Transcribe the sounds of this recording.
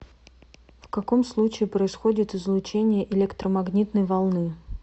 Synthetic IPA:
fkɐko̞mslˠut͡ɕɪːpɾəɪsxo̞dʲɪt̪ɨzlˠʊt͡ɕenʲɪjəʔɪlʲekt̪ɾəmɐɡnʲit̪nəjvɐlˠnɨ

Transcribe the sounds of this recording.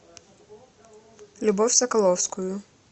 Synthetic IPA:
lʲubɔfʲsɐkɐlˠɔwskujʊ

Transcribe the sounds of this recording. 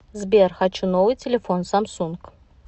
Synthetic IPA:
zbʲerxat͡ɕunovɨjtʲɪlʲɪfonsamsunk

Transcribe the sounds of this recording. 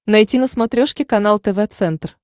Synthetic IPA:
nɐjtʲinəsmɐt̪ɾʲoʂkʲɪkɐnalˠt̪ɛvɛt̪sɛnt̪r

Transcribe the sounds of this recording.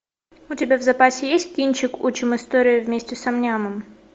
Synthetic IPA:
ʊtʲɪbʲavzɐpasʲɪjesʲtʲkʲinʲt͡ɕɪkut͡ɕɪmɨst̪oɾʲɪjʊvʲmʲesʲtʲɪsɐmnʲamɨm

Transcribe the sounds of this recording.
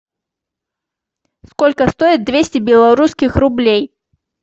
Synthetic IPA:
skolʲkəst̪oɪt̪̚d̪vʲesʲtʲɪbʲɪlˠɐɾuskʲɪxrʊblʲej

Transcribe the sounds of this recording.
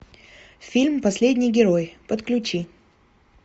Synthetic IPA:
fʲilʲmpɐsʲlʲedʲnʲɪjɡʲɪɾojpət̪klʲʉt͡ɕi

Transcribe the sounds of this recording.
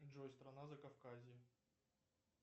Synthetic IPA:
ʐojst̪ɾɐnazɐkɐfkazʲɪ

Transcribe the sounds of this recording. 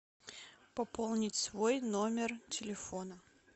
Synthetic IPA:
pɐpolˠnʲɪtʲsvojnomʲɪrtʲɪlʲɪfonə

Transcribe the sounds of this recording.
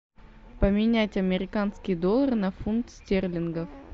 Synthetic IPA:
pəmʲɪnʲætʲɐmʲɪɾʲɪkanskʲɪjd̪o̞lˠərnɐfunkt̪stʲerlʲɪnɡəf

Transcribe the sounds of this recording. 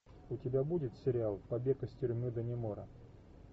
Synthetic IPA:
ʊtʲɪbʲabudʲɪt̪sʲɪɾʲɪalˠpɐbʲekəsʲtʲʏɾʲmɨd̪ənʲɪmoɾə

